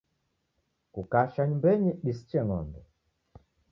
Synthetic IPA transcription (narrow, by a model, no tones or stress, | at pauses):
kukaʃaɲumbɛɲiɗisi̥t͡ʃɛŋɔ̰ndɛ